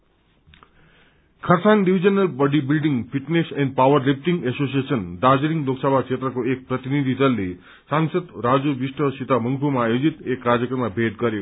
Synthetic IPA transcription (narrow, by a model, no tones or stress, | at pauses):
kʰʌɾsaŋɖibʱid͡ʒʌnəlbʌɖibilɖiŋpʰiʈneseɳɖpawʌɾlip̚ʈiŋesosiesənɖad͡ʒɾiŋloksʌbʱakt͡ʃʰet̪ɾʌkoek̚pɾʌt̪inid̪ʱid̪ʌlːe | saŋsʌd̪ɾad͡zubisʈʰʌsit̪amʌŋɡpʰumaːjod͡zit̪ekɾad͡zjʌkɾʌmabʱed̪ɡʌɾjo